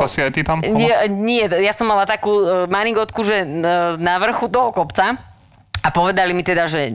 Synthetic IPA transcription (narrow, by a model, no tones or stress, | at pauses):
asiajt̪it̪amɲɛɲɪɛjasɔmːalat̪akuːmaniɡɔt̪kuʒɛnaʋr̩xut̪ɔɦɔkɔpt͡sa | apɔʋɛd̪alimit̪ɛd̪aʒɛ